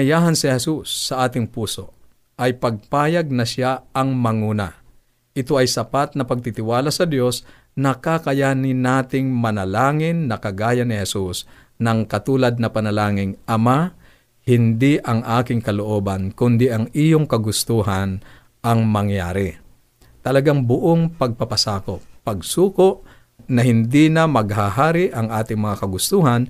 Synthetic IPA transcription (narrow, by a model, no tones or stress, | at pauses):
ɐjaːɦɐnsɪhɛsusːɐʔaːt̪ɪŋpuːso̞ | ʔɐjpɐɡ̚paːjɐɡ̚nɐʃaɐŋmɐŋuːna | ʔɪt̪o̞ʔɐjsɐpat̪̚nɐpɐɡ̚t̪it̪ɪwaːlasɐd̪jo̞s | nɐkakɐjaːnɪnaːt̪ɪŋmɐnɐlaːŋɪnːɐkɐɡaːjɐnɪhɛsus | nɐŋkɐt̪uːlɐd̪̚nɐpɐnɐlaːŋɪŋʔɐma | hɪnd̪iʔɐŋʔaːkɪŋkɐloʔoːbɐnkʊnd̪ɪʔɐŋijoŋkɐɡʊst̪uɦɐn | ʔɐŋmɐŋja̰ːɾɪ | t̪ɐlɐɡaŋbʊʔoŋpɐɡ̚pɐpɐsaːkopːɐɡsuːkoʔ | nɐɦɪnd̪inɐmɐɡ̚ɦahaːɾɪʔɐŋʔaːt̪ɪŋmɐŋakɐɡʊst̪uːɦɐn